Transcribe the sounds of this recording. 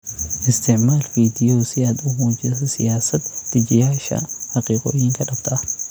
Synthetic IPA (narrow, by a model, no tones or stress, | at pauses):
ʔɪst̪ɛʕmaːlfiːd̪ɪjoːsɪɐd̪ʊmuːd͡ʒɐsɐsɪjaːsɐt̪d̪ɪd͡ʒɪjaːɪʃa̰ːhɐqʼiːkʼo̰ɪhɪŋkɐᶑɐbt̪ɐʔɐ